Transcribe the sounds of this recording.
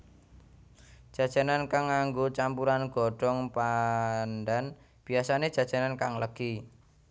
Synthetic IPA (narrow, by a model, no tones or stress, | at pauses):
d̥ʒ̥ä̤d̥ʒ̥a̤nankaŋːaŋɡot͡ʃampuɾanɡ̥ɔ̤ɖ̥ɔ̤ŋpanɖan | b̥iasaned̥ʒ̥a̤d̥ʒ̥a̤nankaŋləɡ̥i